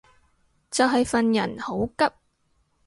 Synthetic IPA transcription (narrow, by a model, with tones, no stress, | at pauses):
t͡sɐ˨wɦɐ˨jfɐ˨njɐ̰˨˩nho˨˥wkɐ˥p̚